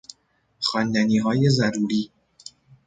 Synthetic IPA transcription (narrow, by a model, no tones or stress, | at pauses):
xɒːnd̪æniːɦɒːje̞zæɾuːɾiː